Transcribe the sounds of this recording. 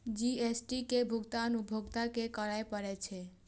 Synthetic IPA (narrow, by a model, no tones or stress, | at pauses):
d͡ʒiesʈikebʱuɡt̪aənubʱoɡt̪akekəɾaepəɾɛt͡ʃʰɛ